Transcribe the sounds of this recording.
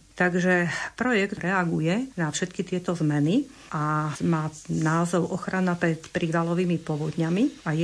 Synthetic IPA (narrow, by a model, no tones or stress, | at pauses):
t̪aɡʒɛpɾɔjɛɡt̪ɾɛaɡujɛnafʃɛt̪kit̪ɪɛt̪ɔzmɛni | ʔamaːnaːzɔʊʔɔxɾanapɾɛt̪pɾiːʋalɔʋiːmipɔʋɔd̪ɲamiaj